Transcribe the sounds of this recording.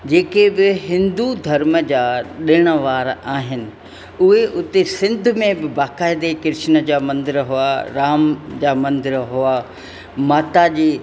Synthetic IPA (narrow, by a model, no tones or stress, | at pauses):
d͡ʑeːkebɪɦɪ̃nd̪ud̪ʱɐɾməd͡ʑaːɗɪɽ̃ə̆ʋaːɾaːɦɪnɪ̆ | ʊɦeʔʊt̪esɪ̃nd̪ʱʊ̆mẽbɪbaːkaːɪd̪ekɪɾɪʃnə̆d͡ʑaːmɐ̃nd̪ɪɾɦʊaɾaːmd͡ʑaːmɐ̃nd̪ɪɾɦʊaː | maːt̪ad͡ʑiː